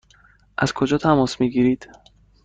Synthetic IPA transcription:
ʔæz̥kʰo̞d͡ʒɒːt̪ʰæmɒːsmiːɡiːɾiːd̪̥

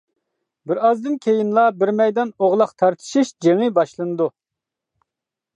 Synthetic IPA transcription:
bɪɾɑzd̪ɨnkʲʰejinlˠɑbɪɾmɛjd̪ɑnoʁlˠɑqt̪ʰɑɾt̪ʰɨ̥ʃiʃd͡ʒeŋɨbɑʃlˠɨnɨd̪u

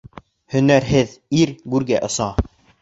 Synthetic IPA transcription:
hɵ̆næɾɦɘðiɾɡʉɾɡæʔɤ̆sɑ

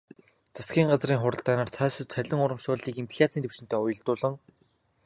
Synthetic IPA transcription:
t͡sḁskʲiːŋɢat͡sriːŋχʊɾə̆ɬt̪aːnaːrt͡sʰaːsə̆t͡sʰœɮʲɪ̆ŋʊɾə̆mʃʊːɮiːkimp̆ʲʰɮʲat͡sʰiːnt̪ewʃɪ̆nt̪œːʊjə̆ɮt̪ʊːɮə̆ŋ

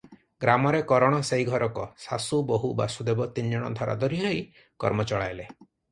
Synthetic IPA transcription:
ɡɾamɔɾekɔɾɔɽ̃ɔseiɡʱɔɾɔkɔsasuboɦuba̰sud̪ebɔt̪ind͡ʒɔɽ̃ɔ̰d̪ʱɔɾʔa̰d̪ɔɾiɦɔj | kɔ̰ɾmɔt͡ʃɔɭajle

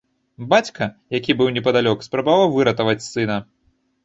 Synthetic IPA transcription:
bat͡sʲkʰɐjakʲibɨwnʲɛp̬ɐd̪alʲɔkspɾɐbavawvɨɾɐt̪ɐvɐt͡sʲsɨnɐ

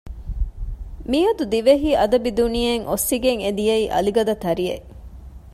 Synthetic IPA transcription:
miɐd̪ud̪iʋeɦiːʔɐd̪ɐbid̪unijɐŋʔosːiɡeŋed̪ijɐiːʔɐ̰liɡɐd̪ɐt̪ɐɾijḛ

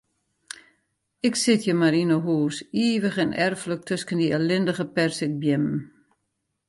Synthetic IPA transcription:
ɪksɪtʰjəmaɾinəɦuːsiːʋəχɪnɛrflək̚tʰøskəndiəlɪndəɣəpɛrsɪk̚bjɪmm̩

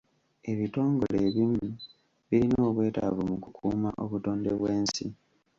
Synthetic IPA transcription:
e̞βito̞ːŋɡo̰leːβimu | βiɾino̞ːβwe̞ːta̰vumukukʰuːma̰ʔoβuto̞ːnde̞βweːnsḭ

